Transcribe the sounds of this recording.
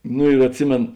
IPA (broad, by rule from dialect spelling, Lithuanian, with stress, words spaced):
ˈnʊ ɪr ɐtʲˈsʲɪmʲeːn